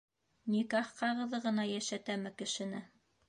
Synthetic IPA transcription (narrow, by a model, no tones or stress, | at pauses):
nikæχqɑʁɤ̆ðɤʁɤ̆nɑjæʃæt̪æmɘkɘ̆ʃɘ̆nɘ